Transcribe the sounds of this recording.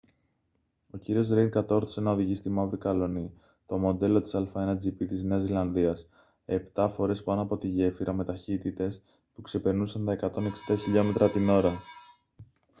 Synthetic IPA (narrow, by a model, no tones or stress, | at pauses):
o̞ciɾio̞zɾeŋkɐt̪o̞ɾθi̥senɐoðiʝist̪imɐvɾikɐlo̞ni | t̪o̞mo̞nd̪e̞lo̞t̪i̥sɐlfɐe̞nɐd͡zipit̪izne̞ɐzilɐnðiɐs | e̞pt̪ɐfo̞ɾe̞spɐno̞ɐpo̞t̪iʝe̞fiɾʔɐme̞t̪ɐçit̪it̪e̞s | pukse̞pe̞ɾnusɐnt̪ɐe̞kɐt̪o̞neksi̥d̪ɐçiʎo̞me̞t̪ɾɐt̪ino̞ɾɐ